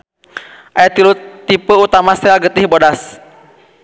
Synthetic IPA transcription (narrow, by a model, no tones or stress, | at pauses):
ʔajat̪ilut̪ipəut̪amasɛalɡət̪ɪhbodas